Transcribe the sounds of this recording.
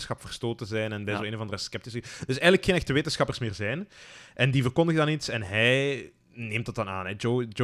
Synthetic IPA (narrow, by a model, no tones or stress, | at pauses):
sxɑpfər̥stoːtəzɛjnɛnbɛjzoːeːnovɑndərəskɛp̚tɪsəd̥ɵsɛjɣənləkxeːnɛxtəʋeːtənsxɑpərsmɪːrzɛjnʔɛndivərkɔndəɣədɑnitsɛnɦɛj | neːmtdɑtdɑna̰ːnɛd͡ʒod͡ʒo